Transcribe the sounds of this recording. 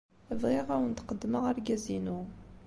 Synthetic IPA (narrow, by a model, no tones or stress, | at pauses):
əvʁiʁæwənt̪qəd̪ːməʁaɾɡæzinu